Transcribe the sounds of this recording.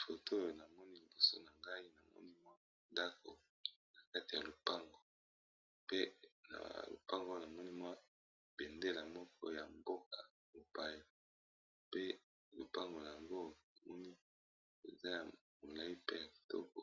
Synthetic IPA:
fo˨to˦o˨na˨mɔ˦ni˦li˨bo˨so̰˦na˨ŋɡa˦i˦na˨mɔ̰˦ni˦mwa˦ | da˦ko̰˨ | na˨ka˦ti˨ja˨lo˨pa˦ŋɡo˨ | pe˦na̰˨lo̰˨pa˦ŋɡo˦˨na˨mɔ˦ni˦mwa˦ | b̥e˨nde˦la˨mɔ˦kɔ̰˦ja˨mbo˦k̚a˨ | mo˨ba˦ja˨ | pe˦ | lo˨pa˦ŋɡo˨a˨a˨ŋɡo˦a˨mɔ˦ni˦ | e˨za˦ja˨ | mo˨la˨˦i˦pe˦ja˨ki̥˨tɔ̰˦kɔ˨

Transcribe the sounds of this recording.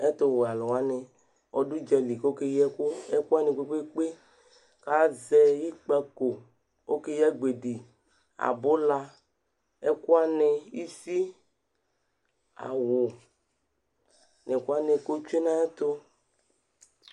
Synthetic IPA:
ɛ˦t̪o˨wa˨lɔ˨wa˦nɪ˨ | ɔ̰˨du˦d͡ʒɛ˨li˨kke˦jɛ˦ko˦ɛ˦ku˦a˦nẽ˨k͡pe˦k͡pe˦k͡pe˦ | ka˦zɛ˦ji˦k͡pa˦ko˨ | o˦ke˦jɛ˦ɡ͡be˨di˨ | a̰˨bʊ˦la˦ | ɛ˦kʊ˦a˦ne˧i˦fi˦ | a̰˨wʊ˨ | ne˨ko˦a˦ne˧ko˦t͡ʃe˦nã˦ɛ˦t̪o˦

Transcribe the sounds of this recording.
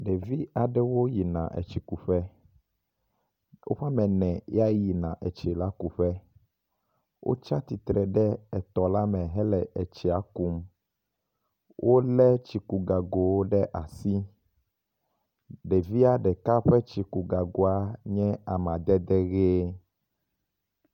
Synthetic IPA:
ɖe˨vi˦a˨ɖɛ˦wo˦ji˨nã̰˨ʔɛ̰˨t͡ʃi˨ku˨ɸɛ˦ | wʔo̰˦ɸa˦mɛ̃˨nɛ̃˨ja˦ji˨nã̰˨ʔɛ˨t͡ʃɛ˨la˦ku˨ɸɛ˦ | wʔo̰˦t͡ʃa˦t̪i˨t̪ɾɛ˨ɖɛ˦ɛ˨t̪ɔ˨la˦mɛ̃˨ɦɛ˦lɛ˨ʔɛ˨t͡ʃɛ˨a˨ku˦m | wʔo˦lɛ˦t͡ʃi˨ku˨ɡa˨ɡo˨wo˦ɖɛ˦ʔa˨si˦ | ɖɛ˨vi˦a˦ɖɛ˨ka˦ɸɛ˦t͡ʃi˨ku˨ɡa˨ɡo˨a˦ɲɛ̃˦a˨mã˨d̪ɛ˦d̪ɛ˦ɣe˦

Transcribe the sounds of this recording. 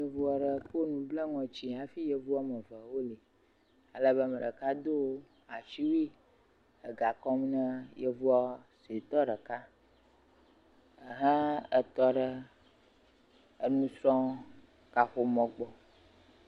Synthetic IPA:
jə˨vu˦a˨ɖə˨ko˦nũ˨blə˦ŋɔ̃˨t͡ɕi˨a˨fi˦jə˨vu˦a˦mə̃˨və˨wo˦li˨ | a˨lə˦βə˦mɛ˨ɖə̰˨ka˦d̪o˦ | a˨t͡ʃi˦wi˦ | ə˨ɡa˨kɔ˦m˦nə̃˦jə˦vu˦a˦se˨t̪ɔ˦ɖə˨ka˦ | ə˨ɦã˦ə˨t̪ɔ˦ɖə˦ | ə˨nũ˦sɾɔ̃˦ | ka˨xo˨mɔ̃˨ɡ͡bɔ˨

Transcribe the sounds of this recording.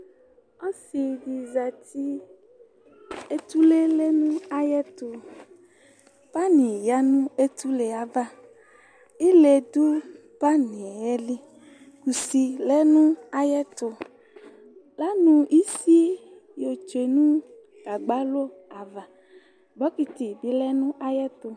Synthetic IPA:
o˦si˨di˨za˨t̪i˦ | e˦t̪u˦le˦le˦nũ˦a˦jɛ˦t̪o˨ | pa˦nĩ˨ja˦nũ˦e˦t̪u˦le˨a˨va˦ | i˦le˨d̪u˦ | pa˦nĩ˨ɛ˦li˦ | ku˨si˨lɛ˦nũ˦a˦jɛ˦t̪o˨ | la˦nũ˦i˦si˦ | jo˨t͡ʃe˨nũ˦ | ɡ̥a˨ɡ͡ba˦lo˦a˨va˨ | bɔ˦ki˨t̪i˨bi˨lɛ˦nũ˦ʔa˦jɛ˦t̪o˨

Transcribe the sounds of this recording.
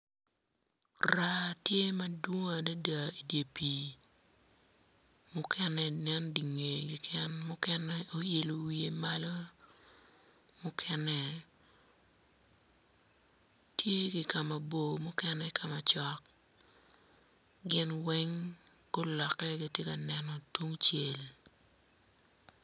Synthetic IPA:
ra˦tje˦ma˦dwo˦ŋa˨da˦da˨i˨dje˨pi˨ | mʊ˦kʰɛ˦nɛ˨nɛ˦ndi˨ŋe˨ɡɪ˨kʰɛ˦nmʊ˦kɛnɛ˦o˦je˨lo˨wi˨e˨ma˦lo˦ | mʊ˦kʰɛ˦nɛ˦ | tʰje˦ɡɪ˨ka˨ma˨bo˨mʊ˦kɛ˦nɛ˦kʰa˨ma˨t͡ʃɔ˨k | ɡɪ˦nwɛ˦ŋ | ɡo˦lɔ˨kːɛ˦ɡi˦tje˦ka˨nɛ˨nɔ˨twu˦ŋt͡ʃje˨l

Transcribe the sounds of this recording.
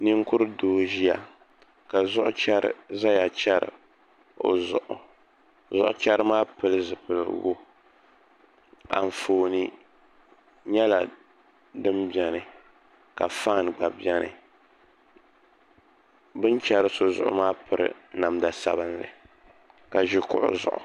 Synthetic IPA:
ni˦ŋ˦kʊ˦ɾɨ˦doː˦ʒi˦a˨ | ka˨zʊ˦ʔʊ˦t͡ʃɛ˦ɾɨ̰˦za˦ja˨t͡ʃɛ˦ɾɨ̰˨ | o̰˨zʔʊ˨ | zʊ̰˦ʔʊ̰˦t͡ʃɛ˦ɾɨ˦maː˦pɨ˨lɨ˦zɨ˨pɨ˨lɨ̰˨wo̰˦ | a̰˨ɱ̩˨foː˨nɨ˦ | ɲɛ˦la˨ | dɨ˦mbɛ˨nɨ˨ | ka˨faː˦˨n˨ɡ͡ba˨bjɛ˦nɨ̰˨ | bɨ˦nt͡ʃɛ˦ɾɨ˦so˦zʊ̰˨ʔʊ̰˦maː˦pɨ˨ɾɨ̰˨na˨mda˨sa̰˦bɨ˦nlɨ̰˨ | ka˨ʒi˦kʊ̰˦ʔʊ̰˦zʊ̰˨ʔʊ̰˨

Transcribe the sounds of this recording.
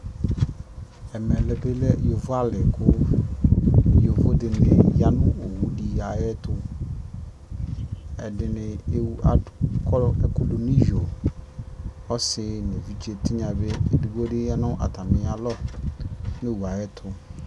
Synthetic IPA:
ɛ˨mɛ˨lɛ˨be˦lɛ˦jo˨vʊ˦a˦lɪ˨kʰʊ˦ | jo˨vʊ˦dɪ˨nɪ˨ja˦nʊ̃˦o˨wu˦di˨a˨jɛ˦tʰʊ˦ | ɛ˨dɪ˨nɪ˨e˨wa˨kʰɔ˦ɛ˨ko˨lo˨ni˦jo˨ | ɔ˦sɪ˦ne˨vi˦d͡ʒe˨tɪ˦ɲã˨be˦˨du˦ɡo˦dɪ˦ja˦nʊ̃˦ʔa̰˨ta˨mɪ̃˨a˨lɔ˦ | ne˦˨wu˨a˨jɛ˦tʰʊ˦

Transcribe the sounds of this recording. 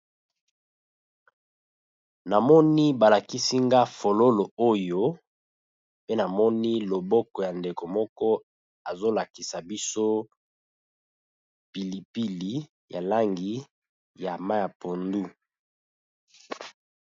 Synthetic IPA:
na˨mɔ˦ni˦ba˨la˨ki˦si˦ŋɡa˦fo˨lo˦lo˨o˦jo˦ | pe˦na˨mɔ˦ni˦lo˨bɔ˦kɔ˨ja˨nde˨ko˨mɔ˦kɔ˦ | a˨zo˦la˨ki˨sa˨bi˦so˦ | pi˨li˨pi˦li˨ | ja˨la˦ŋɡi˨ | ja˨ma˦ja˨po˨ndu˦

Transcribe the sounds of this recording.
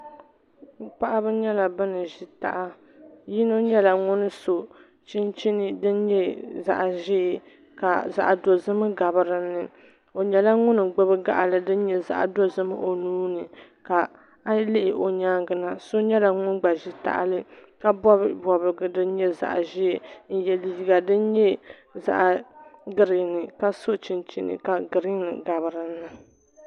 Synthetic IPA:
pa˦ʔa˦bɨ˦ɲɛ˦la˨bɨ˦nɨ˨ʒi˦ta̰˨ʔa˦ | ji˦no˦ɲɛ˦la˨ŋʊ˦nɨ˦so˨ | t͡ʃi˦nt͡ʃi˦nɨ˦dɨ˦nɲɛ˦za̰˨ʔʒɪː˦˨ | ka˨za̰˨ʔdo˨zɨ˦mɨ˦ɡa˨bɨ˨ɾɨ˨nːɨ˨ | o˨ɲɛ˨la˦ŋʊ˦nɨ˨ɡ͡bɨ˦bɨ˦ɡa̰˦ʔa˨lɨ˨dɨ˦n˦ɲɛ˦za̰˨ʔa̰˨do˦zɨ˦mɨ̰˦ʔo˨nuː˦nɨ˨ | ka˨ | a˦lɪ˦ʔɪ˨ʔo˨ɲaː˦ŋɡɨ˨na˨so˦ɲɛ˦la˨ŋʊ˦nɡ͡ba˨ʒɪ˦ta̰˦ʔlɨ˦ka˦bɔ˦bɔ˨bɨ˨ɡɨ˨dɨ˦n˦ɲɛ˦za̰˨ʔʒɪ˦˨n̩˦jɛ˨li˨˦i˨ɡa˨dɨ˦n˦ɲɛ˦ | za̰˦ʔɡɨ˦ɾɨ˨nɨ˨ka˦so˦t͡ʃi˨nt͡ʃi˦nɨ̰˨ka˨ɡɨ˨ɾɨ˦nɨ̰˨ɡa˨βɨ˨ɾɨ˦nːɨ˨

